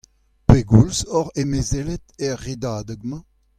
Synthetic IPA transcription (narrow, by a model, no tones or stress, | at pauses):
peɡulzɔʁemezelɛt̪ɛʁːedaːdəɡmɑ̃